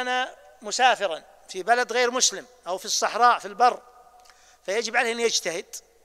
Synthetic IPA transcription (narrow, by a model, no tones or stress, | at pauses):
ana | mʊsaːfɪɾˤɑn | fibalad̪ɣeːɾmʊslɪmʔawfisˤːɑħɾˤɑːʔfilbɑrˤː | fajad͡ʒɪbʕaleːʔɪnːjad͡ʒt̪ahɪd̪̥